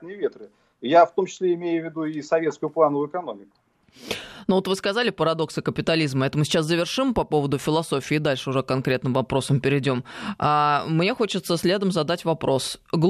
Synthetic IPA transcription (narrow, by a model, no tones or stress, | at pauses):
nəjɪvʲet̪ɾɨ | jaft̪omt͡ɕɪ̥slʲeɪmʲejʊvʲːɪd̪uɪsɐvʲe̞t̪skʊjʊplˠanəvʊɪkɐno̞mʲɪkʊ̥ | nuot̪vɨskɐzalʲɪpəɾɐd̪o̞ksɨkəpʲɪt̪ɐlʲizməɛt̪əmʊsʲɪt͡ɕaszəvʲɪrʂɨmpɐpo̞vəd̪ʊfʲɪlˠɐso̞fʲɪːd̪alʲʂɨʊʐɛkɐnkɾʲe̞t̪nɨmvɐpɾo̞səmpʲɪɾʲɪdʲo̞mamnʲe̞xo̞t͡ɕɪt̪səsʲlʲe̞d̪əmzɐd̪atʲvɐpɾo̞sɡlˠ